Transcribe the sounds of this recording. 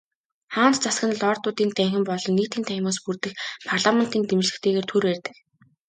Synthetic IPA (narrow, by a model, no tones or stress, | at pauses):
χaːnt̪t͡sasɡə̆nɮɔːrt̪ʊːt̪iːnt̪æŋxɪ̆mpɔɮɞ̆nːiːt̪iːnt̪ʰæjmaːspurt̪ɘ̆xpʰarɮamen̥t̪iːnt̪emrɮɘ̆kt̪ʰeːɣeːrt̪ʰurpæːrʲt̪ɘ̆k